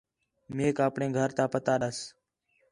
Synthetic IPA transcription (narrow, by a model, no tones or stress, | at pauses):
meːkaːpɳeːɡʱəɾt̪aːpət̪aːɗəs